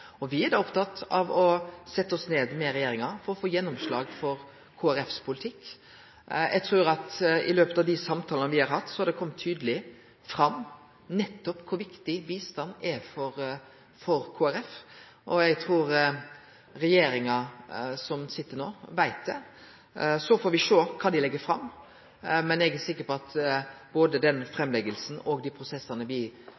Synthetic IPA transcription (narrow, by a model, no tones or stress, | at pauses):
ɔʋɪæd̪ɑɔpt̪ɑt̪ːɑ̰ʋɔsɛt̪ːəɔsneːd̪mɛɾɛjeːɾɪŋɑfɔɾɔfoːjɛnːɔmslɑ̰ːɡfɔɾ | kʰoːæɾɛfspʰʊlɪt̪ʰɪkː | jʔæ̰ɡt̪ʰɾʉːɾɑt̪ɪ̰løːpət̪ɑʋd̪ɪsɑmt̪ʰɑːlənəʋɪhɑɾhɑt̪ːsɔhɑɾd̪ɛkʰɔmːət̪ʰːyːd̪əlɪ | fɾɑmː | nɛt̪ːɔpkʰʊɾʋɪkt̪ɪʋiːst̪ɑnːɛfɔɾ | fɔɾkʰoːæɾɛf | ʔɔæɡt̪ʰɾuːɾ | ɾɛjeːɾɪŋɑsɔmsɪt̪ːəɾnoːʋæɪt̪̚d̪ɛ | sɔfoːɾʋɪʂoːkʰɑːd̪ɪlɛɡːəfɾɑmː | mɛnɛɡæsɪkːəɾpɔɑt̪boːd̪əd̪ɛnfɾɛmːlɛɡəlsn̩ɔɡd̪iːpʰɾʊsɛsɑnəʋɪ